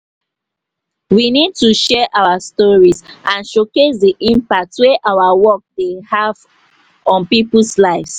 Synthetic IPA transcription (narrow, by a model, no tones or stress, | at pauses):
winid̚tuʃɛʔawastɔɹisʔãnʃoketdiʔĩmpak̚tweʔawawɔk̚dehav | ɔ̃npipslaɪfs